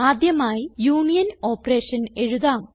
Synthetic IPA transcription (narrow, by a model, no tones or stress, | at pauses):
aːd̪ʱjɐmaːjijuːnijɐno̞ːpːɐreːʂɐne̞ɻuðaːm